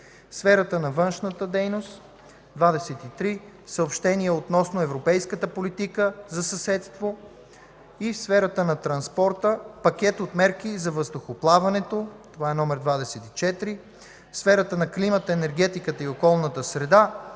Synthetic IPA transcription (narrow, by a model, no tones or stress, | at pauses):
sfɛɾət̪ənɐvɤnʃnət̪əd̪ɛjnost̪ | d̪vad̪ɛsɛt̪it̪ɾisəopʃt̪ɛniɛot̪nɔsnoɛvɾopɛjskət̪əpolit̪ikəzɐsɐsɛt̪st̪vo | ifsfɛɾət̪ənɐt̪ɾɐnspɔɾt̪əpɐkʲɛt̪ot̪mɛɾk̟izɐvəzd̪oxoplˠavɐnɛt̪ot̪ovaɛnɔmɛɾd̪vad̪ɛsɛt̪it͡ʃɛt̪ɾi | fsfɛɾət̪ənɐklimət̪əɛnɛɾɡɛt̪ikət̪əiokɔlˠnət̪əsɾɛd̪a